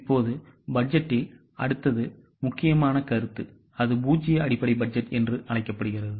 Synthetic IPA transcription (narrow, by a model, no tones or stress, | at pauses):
ɪpːoːðɯbɐɖ̚d͡ʒɛʈːɪl | ɐɽɯt̪ːɐðɯ | mʊkːɪjɐmaːnɐkɐɾɯt̪ːɯ | ɐðɯbuːt͡ʃːɪjɐɐɽɪpːɐɽɐɪbɐɖ̚d͡ʒɐʈːɛndrɯʔɐɭɐɪkːɐpːɐɽɯɣɪrɐðɯ